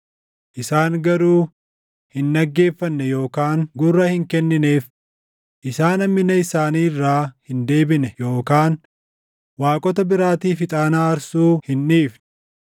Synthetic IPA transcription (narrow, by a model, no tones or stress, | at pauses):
ʔɪsaːŋɡɐɾuː | hɪnːɐɡːe̞ːfːɐnːɛjo̞ːkaːŋɡʊrːɐhɪŋkɛnːɪneːf | ʔɪsaːnɐmːɪnɐɪsaːniːrːaːhɪnd̪e̞ːbɪnɛjo̞ːkaːn | waːkʼɔt̪ɐbɪɾaːt̪iːfɪt̪ʼaːnaːɐɾsuːhɪnːiːfnɛ